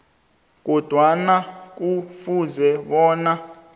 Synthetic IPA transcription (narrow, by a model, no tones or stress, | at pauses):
k̬ɔd̥ʱwanak̬ufuzɛɓɔːna